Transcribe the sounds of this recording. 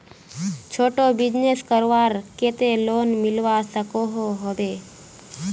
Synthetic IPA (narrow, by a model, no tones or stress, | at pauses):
t͡ʃʰoʈobid͡ʒneskəɾʋaɾket̪elonmilʋasəkoɦoɦoʋe